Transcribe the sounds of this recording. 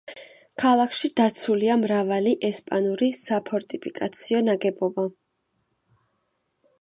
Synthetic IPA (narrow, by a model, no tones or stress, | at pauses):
kʰalˠakʰʃid̪̥at̪sʰuliamɾavaliʔɛspʼanuɾisapʰɔɾt̪ʼipʰikʼat̪sʰiɔnaɡɛbɔba